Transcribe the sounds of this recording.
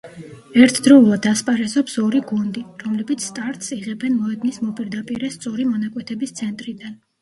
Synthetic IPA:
ɛɾt̪ʰd̪ɾɔulˠad̪ːaspʼaɾɛsɔpsɔɾiɡund̪iɾɔmlɛbit̪sʰst̪ʼaɾt̪ʼsiʁɛbɛnmɔɛd̪nismɔpʼiɾd̪apʼiɾɛst̪sʼɔɾimɔnakʼwɛt̪ʰɛbist̪sʰɛnt̪ʼɾid̪an

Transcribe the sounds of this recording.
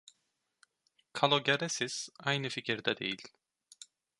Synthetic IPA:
kʰalˠoɟeɾɛsiz̥ajnɯficʰiɾd̪ɛd̪e̞̰jil̥ʲ

